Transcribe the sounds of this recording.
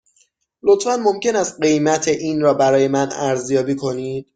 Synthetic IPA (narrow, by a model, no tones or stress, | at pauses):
lo̞t̪ʰfænmo̞mcʰe̞næst̪̚ɢe̞jmæt̪ʰe̞ʔiːnɾɒːbæɾɒːje̞mænæɾzjɒːbiːkʰo̞niːd̪̥